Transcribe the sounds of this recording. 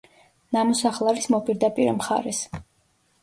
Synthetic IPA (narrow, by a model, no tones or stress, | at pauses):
namɔsaχlˠavismɔpʼiɾd̪apʼiɾɛmχa̰ɾɛs